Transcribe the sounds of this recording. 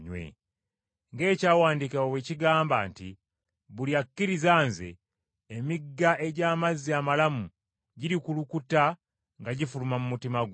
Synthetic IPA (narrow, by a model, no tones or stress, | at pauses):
ɲwḛ | ŋɡe̞ːcaːwaːndikawoweciɡaːmba̰ːnti | βuljakːiɾizaːnzḛː | miɡːaʔe̞ɟaːmazːiamalamu | ɟiɾikulukuta | ŋɡaɟifulumamumutimaɡ